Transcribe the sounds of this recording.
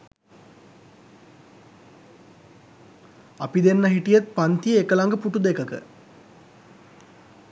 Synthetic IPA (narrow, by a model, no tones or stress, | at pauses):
apid̪enːəɦiʈijət̪̚pant̪ijəekəlaŋɡəpuʈud̪ekəkə̰